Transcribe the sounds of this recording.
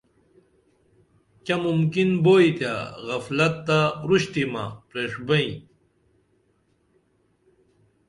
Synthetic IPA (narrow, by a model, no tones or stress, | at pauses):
kʲɐmumkinboːit̪ja̰ɣɐflɐt̪ːaɾuɕt̪ima̰pɾeːʂbɐĩ